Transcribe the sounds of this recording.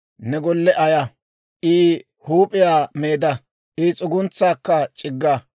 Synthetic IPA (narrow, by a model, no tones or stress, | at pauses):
nɛɡɔlːɛʔɐjɐ | ʔiː | huːpʼɪjaːmeːd̪ɐ | ʔɪt͡sʼʊɡʊnt͡sːaːkːɐt͡ʃʼɪɡːa